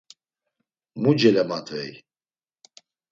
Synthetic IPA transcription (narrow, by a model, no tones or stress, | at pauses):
mud͡ʒɛlɛmat̪ʰɛ̰j